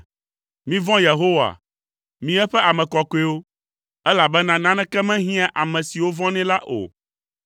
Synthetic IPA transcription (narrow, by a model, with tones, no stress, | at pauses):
mĩ˦vɔ̃˦je˨ɦo˦wa̰˨ | mĩ˨ɛ˦ɸɛ˦a˨mɛ̃˨kɔ˨ko˦e˦wo˦ | ɛ˦la˨bɛ˦nã˦nã˦nɛ̃˦kɛ˦mɛ̃˦ɦĩ˦a˦ʔa˨mɛ̃˨si˨wo˦vɔ̃˦nɛ̃˦la˦ʔo̰˨